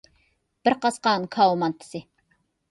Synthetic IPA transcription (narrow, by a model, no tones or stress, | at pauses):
b̥ɪɾqɑsqɑːnkʰɑwumɑnt̪ʰːɪ̥sɪ